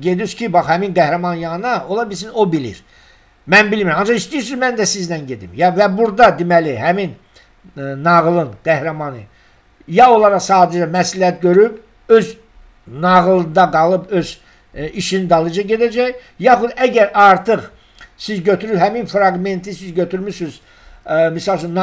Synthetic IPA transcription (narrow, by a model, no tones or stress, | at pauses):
ɟe̞d̪izcʰibɑχhæminɡæhɾæmɑnjɑnɑo̞lˠɑbilʲsino̞bilḭɾ | mænbilmiɾæmɑnd͡ʒɑχist̪iiɾs̬izmænd̪æsiznænɟe̞d̪ḭmjɑvæbuɾd̪ɑd̪imæliɦæmin | nɑʁlˠɯnɡ̥æhɾæmɑnɯ | jɑo̞lˠɑɾɑχsɑːd̪æd͡ʒɛmæslihæt̪̚ɟøɾyb | øz | nɑʁlˠɯnd̪ɑɡɑlˠɯpøz | iʃinid̪ɑlˠɯd͡ʒɑɟe̞d̪æd͡ʒæj | jɑχud̪æɟæɾʔɑɾt̪ʰɯχ | sizɟøt̪ʰyɾyhæminfɾɑɡme̞nt̪ʰisizɟøt̪ʰyɾmyɾsyz | misɑlˠt͡ʃʰynː